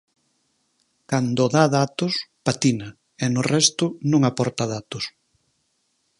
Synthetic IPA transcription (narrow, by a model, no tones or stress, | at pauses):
kand̪ʊðaðat̪ʊspat̪inɐ | ɛnʊrɛst̪ʊnõŋapɔɾt̪aðat̪ʊs